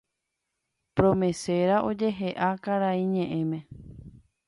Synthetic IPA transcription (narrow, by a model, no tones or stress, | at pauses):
pɾõmẽse̞ɾaʔo̞d͡ʒe̞ɦe̞ʔakaɾaiɲẽʔẽ̞mẽ̞